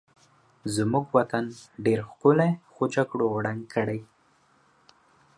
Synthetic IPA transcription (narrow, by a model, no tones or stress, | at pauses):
zmuɡwat̪anɖeɾxkʊlexod͡ʒaɡɽoaɽaŋɡkʰəɽaj